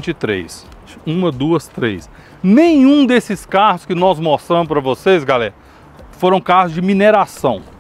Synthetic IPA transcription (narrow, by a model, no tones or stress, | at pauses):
t͡ʃɪt̪ɾḛjs | ũmɐd̪uɐst̪ɾḛs | nẽj̃ũd̪esɪskaɦʊskɪnɔzmost̪ɾɐ̃mʊspɾɐvosezɡalɛɾɐ | foɾɐ̃w̃kazʊzd͡ʒɪmineɾasɐ̃w̃